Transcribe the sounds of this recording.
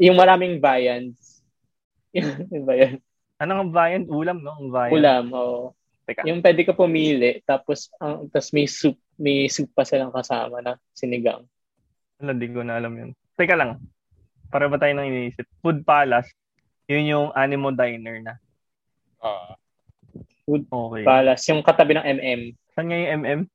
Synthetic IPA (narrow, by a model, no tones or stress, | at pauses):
jʊŋmɐɾaːmɪŋvaːjɐns | jʊbajɐn | ʔɐnoŋɐŋbaːjɐnd̪ʔuːlɐmnoɐŋvaːjlɐmʔoːʔo | t̪ɛkɐjʊŋpwɛːd̪ɛkɐpʊmiːlɛʔt̪aːposɐŋt̪ɐsmɐjsup̚mɐjsuːp̚pɐsɪlɐŋkɐsa̰ːmɐnɐŋsɪnɪɡɐ̰ŋ | ʔɐlɐmd̪ikonɐʔɐlɐmjʊ̰n | t̪ɛkɐlɐŋ | paːɾɐbɐt̪aːjonɐŋʔɪniʔiːsɪp̚fud̪̚paːlɐs | jʊnjʊŋʔaːnɪmod̪ajnɛɹnɐ | ʔoʔ | fud̪̚ʔoːkɛjpaːlɐsjʊŋkɐt̪ɐbɪnɐŋʔɛmʔɛm | sɐnŋajʊŋɛmʔɛm